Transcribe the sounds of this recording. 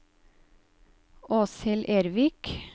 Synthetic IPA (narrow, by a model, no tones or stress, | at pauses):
oːsɪlʔeːɾʋɪk